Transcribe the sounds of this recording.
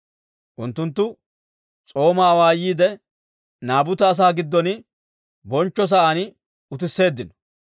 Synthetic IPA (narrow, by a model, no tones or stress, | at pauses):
ʔʊnt̪ːʊnt̪ːʊ | t͡sʼo̞ːmaːwaːjiːd̪ɛ | naːbʊt̪ɐːs̬aːɡɪd̪ːɔnɪ | bɔnt͡ʃːɔs̬ɐanɪ | ʊt̪̬ɪsːe̞ːd̪ːɪnɔ̥